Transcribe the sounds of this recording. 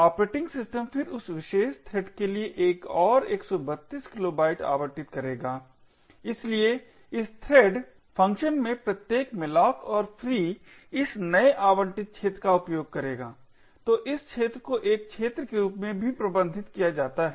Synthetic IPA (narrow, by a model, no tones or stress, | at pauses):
aːpɾeːʈɪ̃ŋɡsɪsʈə̃mfɪɾʊsʋɪʃeːʃt̪ʰɾɛːɖkelieʔeːkɔːɾeːksɔbɐt̪ːiːskɪloːbaːɪʈa̰ːʋəɳʈɪt̪kɐɾeːɡaː | ɪslie | ɪst̪ʰɾɛːɖ | pʰɐ̃ŋkʃənmẽpɾɐt̪jeːkmɪlɔːkʰɔːɾfʰɾiː | ɪsnɐeʔaːʋəɳʈɪt̪̚t͡ʃʰeːt̪ɾəkaʊpjoːɡ̚kɐɾeːɡaː | t̪oːʔɪst͡ʃʰeːt̪ɾəkoʔeːk̚t͡ʃʰeːt̪ɾəkeɾuːpmẽbʱipɾɐbə̃nd̪ʱɪt̪kijad͡ʒaːt̪aɦɛ